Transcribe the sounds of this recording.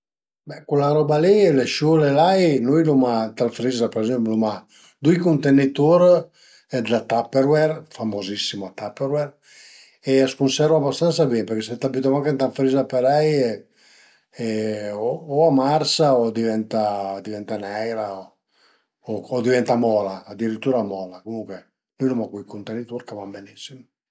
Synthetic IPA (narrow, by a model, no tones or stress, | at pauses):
bɛkulaɾɔbalileʃulelajnujlumat̪alfɾizapeɾɛzɛmpluma | d̪ujkunt̪enit̪uɾ | ɛd̪lat̪apːeɾwɛrfamozisːimoat̪apːeɾwɛr | easkunsɛɾvaabast̪ansabɛmpeɾkeset̪abit̪omaŋkent̪alfɾizapeɾɛje | ɛooamarsaod̪ivɛnt̪ad̪ivɛnt̪anɛjɾao | ood̪ivɛnt̪amɔlaːd̪iɾit̪ːuːɾamɔlakomuŋkwe | nujlomakujkunt̪enːit̪uɾkavambenisːimo